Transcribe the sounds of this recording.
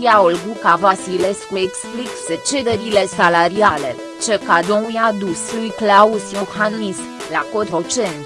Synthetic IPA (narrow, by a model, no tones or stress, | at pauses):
jaolɡukavasileskueksplikset͡ʃed̪eɾile̞salaɾiale | t͡ʃekad̪omujad̪uslujklausiohanis | lakot̪ɾot͡ʃent̪